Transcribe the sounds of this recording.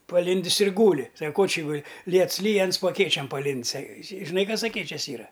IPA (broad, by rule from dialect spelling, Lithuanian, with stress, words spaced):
pɐˈlʲɪnʲdʲɪs ɪr ˈɡuːlʲɪ sɐk koː t͡ʃʲɪ ˈɡʊlʲɪ ˈlʲiɛts ˈlʲiːj ˈɐns poː ɐˈkʲeːt͡ʃʲɛm pɐˈlʲɪnʲtʲsʲ ɐ ɐ ʒʲɪˈnɐɪ ˈkɐs ɐˈkʲeːt͡ʃʲɛs ˈiːrɐ